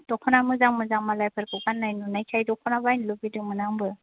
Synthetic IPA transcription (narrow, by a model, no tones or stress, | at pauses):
d̥ɔkʰɔnamɯzaŋmɯzaŋmalajpʰɯɾkʰɯkanːajnunajkʰajdɔkʰɔnabajnlɯbidɯmɯnaŋbɯ